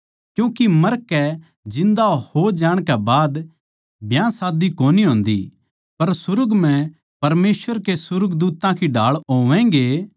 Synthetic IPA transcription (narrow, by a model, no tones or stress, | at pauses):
kjũːkimɐɾkɛ | d͡ʒɪ̃nd̪ahod͡ʒaːɽ̃kɛbaːd̪ | bjãsaːd̪ikoːniɦõːnd̪ḭ | pɐɾsʊɾʊɡm̤ɛ̃ | pɐɾmeːsʋəɾkesʊɾəɡd̪uːt̪ãkʰiɖaːɭɦoːʋɛ̃ɡeː